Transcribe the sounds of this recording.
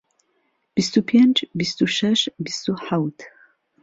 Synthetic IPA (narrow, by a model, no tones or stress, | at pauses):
b̥ist̪upʰjɛnt͡ʃbist̪uʃɐʃbist̪uħawt̪